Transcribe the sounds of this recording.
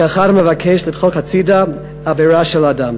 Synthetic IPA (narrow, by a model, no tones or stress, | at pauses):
aχaɾmevakʰɛʃlidχokat͡sida | aveɾaʃɛladam